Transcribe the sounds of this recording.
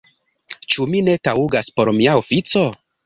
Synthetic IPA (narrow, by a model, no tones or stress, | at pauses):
t͡ʃumine̞tauɡaspo̞ɾmiaofit͡so̞